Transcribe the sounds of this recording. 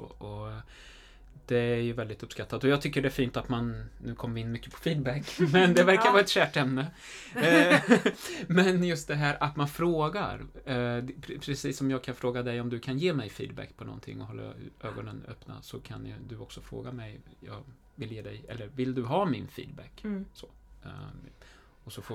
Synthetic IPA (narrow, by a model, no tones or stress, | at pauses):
oːʔɔ | d̪̥ɛæɾjɵvɛld̪ɪt̪ɵpːskat̪ːad̪ɔjɑːɡ̚t̪ʰʏkːəɖɛːfiːnt̪at̪mannʉ̟ːkʰɔmːəvɪɪnmʏkːəpʰɔ̥fiːd̪bækːmɛnd̪ɛvæɾkaɾvɑːɛt̪ɕæːʈɛmnə | mɛnjɵst̪̚d̪ɛɦæːɾʔat̪manfɾoːɡa̰ɾ | pʰɾɛpʰɾɛsiːsːɔmjɑːɡ̚kʰanfɾoːɡad̪ɛjɔmd̪ɵkʰanjeːmɛjfḭːd̪bæ̰kːpʰɔnɔ̰nt̪ʰɪ̰ŋːɔɦɔlːa̰ʔøːɡɔnənœ̰pna̰sɔkʰa̰nd̪ɵɔksɔfɾo̰ːɡamɛjjɑ̰ːɡ | vɪljeːd̪ɛjɛ̰lːəɾvɪld̪ɵɦɑːmɪnfḭːd̪̚bæ̰kso | ɔsɔf